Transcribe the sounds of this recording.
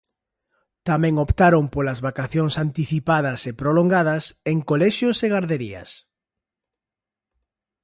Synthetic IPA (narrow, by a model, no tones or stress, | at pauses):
t̪amɛ̃ŋopt̪aɾompolɐzβakaθjoŋsant̪iθipaðɐsepɾoloŋɡað̞ɐseŋkolɛʃjoseɣaɾðeɾiɐ̰s